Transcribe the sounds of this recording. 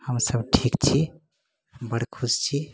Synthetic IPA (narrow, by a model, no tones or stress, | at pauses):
həmsəbʈʰikt͡ʃʰi | bəɽkʰud͡ʒt͡ʃʰi